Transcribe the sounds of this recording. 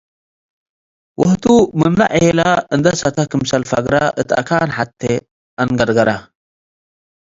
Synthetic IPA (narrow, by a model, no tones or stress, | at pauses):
wʊht̪umɨmna̰ʔehelaɨnd̪ɐsɐt̪ʰakɨmsɐlfɐ̰ɡɾaʔɨt̪a̰kʰaːnħat̪ʰːe | anɡɐɾɡɐɾa